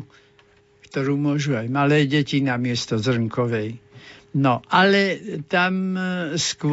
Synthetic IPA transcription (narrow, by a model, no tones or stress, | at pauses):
kt̪ɔɾuːmʊɔʒuajmalɛːɟɛcinamɪɛst̪ɔzr̩ŋkɔʋɛjnɔʔalɛt̪amskʊ